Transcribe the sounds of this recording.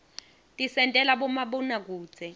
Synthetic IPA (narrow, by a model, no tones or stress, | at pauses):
tʼisɛntʼɛlaɓɔmaɓɔnak̬u̥ːd͡z̥ʱɛ